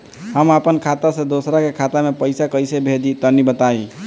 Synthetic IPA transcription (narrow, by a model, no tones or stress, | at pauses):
ɦəməpənkʰat̪asẽd̪osɾakekʰat̪amepəjsakəjsebʱed̪it̪ənibət̪ai